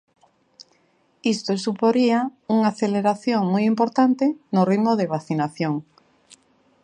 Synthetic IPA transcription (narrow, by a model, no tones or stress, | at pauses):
ist̪osupoɾiauŋaθeleɾaθjoŋmujimpoɾt̪ant̪enʊriðmoðeβ̞aθinaθjoŋ